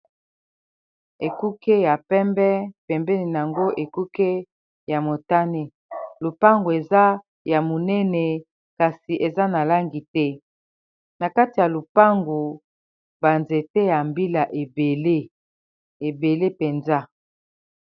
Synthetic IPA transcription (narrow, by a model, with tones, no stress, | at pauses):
e˨ku˦ke˦ja˨pɛ˦mbɛ˦pɛ˨mbɛ˦ni˨n˨a˨ŋɡo˦ʔe˨ku˦ke˦ | ja˨mo˨ta˦ne˦ | lo˨pa˦ŋɡu˨e˨za˦ | ja˨mo˨nɛ˦nɛ˨ | ka˨si˨ʔe˨za˦na˨la˦ŋɡi˨tɛ˦ | na˨ka˦ti˨ja˨lo˨pa˦ŋɡu˨ | ba˨nze˨tɛ˦ja˨mbi˦la˨ʔe˨be˨le˦ | e˨be˨le˦pe˨nza˦